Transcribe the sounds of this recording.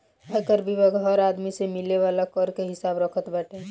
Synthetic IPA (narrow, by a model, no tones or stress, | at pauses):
ɛkəɾbʱibəɡʱɦɔɾaːd̪misemɪleʋalakɔɾkeɦɪsaːbɾəkʰət̪bəʈe